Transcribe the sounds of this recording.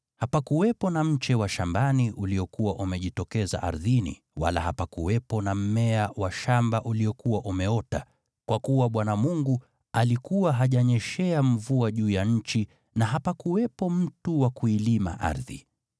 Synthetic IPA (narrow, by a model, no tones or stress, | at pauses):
hapakuwɛpɔnam̩t͡ʃɛwaʃambaniʔuliɔkuwaʔumɛʄitɔkɛza̰ʔa̰ɾðinḭ | wa̰la̰hapakuwɛpɔnam̩mɛawaʃambaʔuliɔkuwaʔumɛɔta̰ | kwakuwaɓwanamuŋɡu | alikuwaɦaʄaɲɛʃɛam̩vuaʄuːjaɲ̩t͡ʃi | naɦapakuwɛpɔm̩tuwakuilima̰ʔa̰ɾðḭ